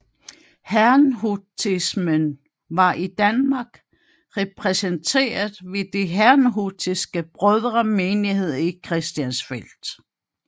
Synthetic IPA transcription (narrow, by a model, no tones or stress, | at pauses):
hæɐnɦut͡sʰismən | ʋɑ̈ʔid̥ænmɑ̈ɡ̥ | ʁɛpʰʁɛsənt͡sʰe̝̰ːɐðˠʋe̝d̥eɦæɐnɦud̥ʰisɡ̥əb̥ʁœðˠʁɐmeːnihe̝ð̞̰ˠikʰʁɛsd̥jænsfel̰d̥